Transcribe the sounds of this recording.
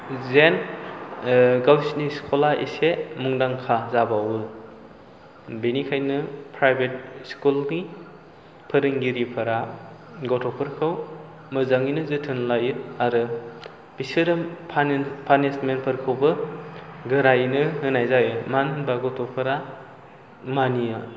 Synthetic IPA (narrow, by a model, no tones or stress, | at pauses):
zen | ɡawsniskʰolaʔḭsemuŋdaŋkʰazabawɯ | benikʰajnɯpʰɾajbet̚skulni | pʰɯɾɯŋɡiɾipʰɐɾa | ɡotʰɔpʰɯɾkʰɯw | mɯzaŋinɯzɯtʰɯnlajɯaɾɯ | b̥isiɾɯpʰapʰanesmenpʰɯɾkʰɯwbɯ | ɡɯɾajnɯhɯnajzajɯmanbaɡotʰopʰɐɾa | maniɯ